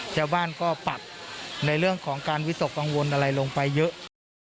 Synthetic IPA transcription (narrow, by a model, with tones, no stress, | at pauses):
t͡ɕaː˥˩wbaː˥˩nkɔː˥˩pa˨˩t̪̚na˧jɾɯ˥˩əŋkʰɔː˩˦ŋkaː˧nwi˦˥so˨˩k̚ka˧ŋwo˧nʔa˧ɾa˧jlo˧ŋpa˧jːɤ˦˥ʔ